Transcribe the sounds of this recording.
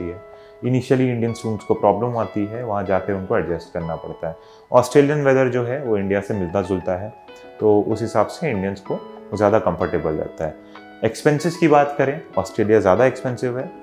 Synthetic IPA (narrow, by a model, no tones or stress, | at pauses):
iɦɛː | ɪniːʃəliɪ̃ɳɖijənsɾũːmskopɾɔːbləmaːt̪iɦɛʋɐɦãd͡ʒaːkeʊnkoɛɖd͡ʒɛsʈ̚kɐɾnapɐ̰ɽt̪aɦɛː | ɔːsʈɾeːlijənʋɛd̪əɾd͡ʒoːɦɛʋoɪ̃ɳɖijasemɪlt̪azʊlt̪aɦɛː | t̪oːʊsɦɪsaːbseɪ̃ɳɖijənskozjaːd̪akɐ̃mfəɾʈeːbəlɾɛ̰ːt̪aɦɛː | ekspɛ̃nsɪzkibaːt̪kɐɾẽɔ̰ːsʈɾeːlijazjaːd̪aekspɛ̃nsɪʋɦɛː